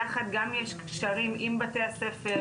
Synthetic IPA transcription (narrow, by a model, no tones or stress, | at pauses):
aχat̪̚ɡamjeʃkʃaʁimʔimbat̪easefe